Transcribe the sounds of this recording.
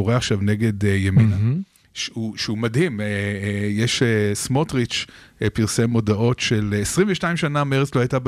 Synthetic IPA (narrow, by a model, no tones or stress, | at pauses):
oʁeaχʃavne̞ɡe̞djemina | ʃeuʃeumadhimejeʃesmotʁit͡ʃpiʁsemo̞daʔo̞tʃelesʁiɱveʃtaimʃanameʁet͡slohajtab